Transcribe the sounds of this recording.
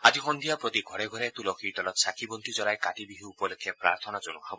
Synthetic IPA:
ad͡ʒixɔnd̪ʱijapɾɔt̪iɡʱɔɽeɡʱɔɾet̪ulɔkʰiʈɔlɔt̪sakʰibɔnt̪ʰid͡ʒɔlajkaʈibiɦiupɔlekʰːepɾa̰ɾt̪ʰɔnad͡ʒɔnɔkʰabɔ

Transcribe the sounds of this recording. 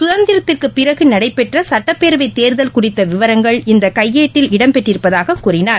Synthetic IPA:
sʊðɐnd̪ɪɾɐt̪ːɪrkɯpːɪɾɐɣɯnɐɽɐɪpːɛʈrɐsɐʈːɐpːeːɾʋɐɪt̪ːeːɾðɐlkʊrɪt̪ːɐʋɪʋɐɾɐŋɡɐɭɪnd̪ɐkɐjːeːʈːɪlɪɽɐmpɛʈrɪɾɯpːɐðaːɣɐkːuːrɪnaːɾ

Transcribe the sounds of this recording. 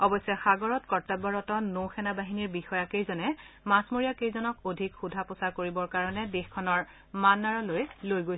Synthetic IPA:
ɔbɔsɛxaɡɔɹɔtkɔɹtabɔɹɔtɔnowxɛnabaɦiniɹbixɔjakejzɔnɛ | masmoɹijakejzɔnɔkodʱikxudʱapɔsaɹkoɹibɔɹkaɹɔnɛdexkʰːɔnɔɹ | manːaɹɔlojlojɡoj

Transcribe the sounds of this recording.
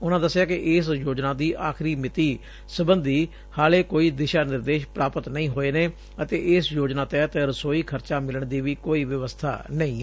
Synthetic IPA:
ʊnãːd̪əsːjaːkɪʔɪːsjoːd͡ʒnaːd̪iːʔaːkʰɾiːmɪt̪iː | səbənd̪iː | haːleːkoːiːd̪ɪʃaːnɪɾd̪eːʃpɾaːpət̪nəĩːɦoːeːneː | ət̪eːʔɪːsjoːd͡ʒnaːt̪ɛːt̪eɾəsoːiːkʰəɾt͡ʃaːmɪləɳd̪iːʋiːkoːiːʋəʋəst̪ʰa̰ːnəĩː

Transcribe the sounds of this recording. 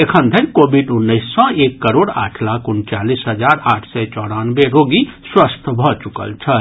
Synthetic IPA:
ekʰə̃nd̪ʱənkobʱiɖʊnːəɪsːɔ̃eːkːəɾoːɽa̰ːʈʰlaːkʊnt͡ʃaːlisɦəd͡ʒaːɾaːʈʰsɛt͡ʃɔːɽanbeɾoɡiswəst̪ʰbʱɔt͡ʃukə̰lt͡ʃʰə

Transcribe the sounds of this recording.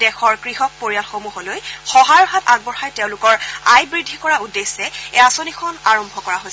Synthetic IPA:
dɛxɔɹkɹiɦɔk̚poɹijalxomuɦolojxɔɦajɔɦataɡ̚bɔɹxajteʊ̃lʊkɔɹajbɹidʱːikɔɹaudesɛeasonikʰɔnaɹɔmbʱɔkɔɹaɦojsɛ

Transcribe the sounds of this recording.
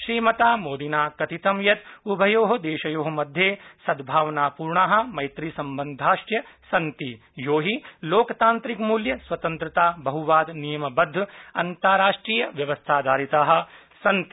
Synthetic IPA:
ʃɾiːmɐt̪aːmoːd̪inaːkɐt̪it̪ɐmjɐt̪ubʱɐjoːɦɐd̪eːʃɐjoːɦɐ̆mɐd̪ʱjeːsɐd̪bʱaːʋɐnaːpuːɾɳaːɦɐ̆mɐjt̪ɾiːsɐmbɐnd̪ʱaːʃʈjɐsɐnt̪i | joːɦiloːkt̪aːnt̪ɾikmuːljɐsʋɐt̪ɐnt̪ɾɐt̪aːbɐɦuʋaːd̪nijɐmɐbɐd̪ʱːɐ̰nt̪aːɾaːʂʈɾiːjɐʋjɐʋɐst̪ʰaːd̪aːɾit̪aːɦɐ̆ | sɐnt̪i̥

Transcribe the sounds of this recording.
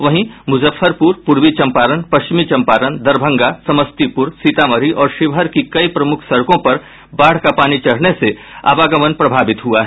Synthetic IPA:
ʋɐɦĩmʊzəfʰːəɾpuːɾpʊɾʋit͡ʃɐ̃mpaːɾənpɐʃt͡ʃɪmit͡ʃɐ̃mpaːɾənd̪ɐɾbʱə̃ŋɡasɐməst̪ipʊɾsiːt̪aːməɾiʔɔːɾʃɪʋɦəɾkikɐipɾɐmʊkʰsɐɽkõpɐɾ | baːɽ̤kapaːnit͡ʃɐɽ̤nesea̰ːʋaːɡəmənpɾɐbʱaːbɪt̪ɦuaɦɛ

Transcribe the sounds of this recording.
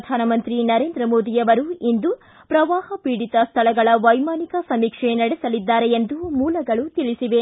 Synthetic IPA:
d̪ʱaːnɐmɐnt̪ɾinɐɾe̞ːnd̪ɾɐmoːd̪ijɐʋɐɾuind̪u | pɾɐʋaːhɐpiːɽit̪ɐst̪ʰɐɭɐɡɐɭɐʋɐjmaːnikɐsɐmiːkʂenɐɽɛsɐlid̪ːaːɾeend̪umuːlɐɡɐɭut̪iɭisiʋe̞

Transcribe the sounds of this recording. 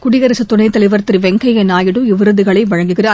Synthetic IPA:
kʊɽɪɣɐɾɐsɐt̪ːʊɳɐɪt̪ɐlɪʋɐɾt̪ːɪɾʋɛŋɡɐjɐnaːjɪɽɯɪʋɪɾɯðɯɣɐɭɐɪʋɐɻɐŋɡɯɣɪraː

